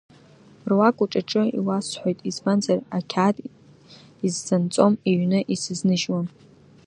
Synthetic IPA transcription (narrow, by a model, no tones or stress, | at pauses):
rwakʷʼuʈ͡ʂʼaʈ͡ʂʼɨḭwasħʷojtʼispant͡sʼarakʲʰaːtʼ | izzant͡sʼo̞meɥnɨʔisɨznɨʒwam